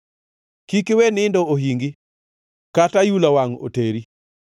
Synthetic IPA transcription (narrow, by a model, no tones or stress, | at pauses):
kikɪwenɪndɔoɦiŋɡɪ | katajulawaŋo̰teɾi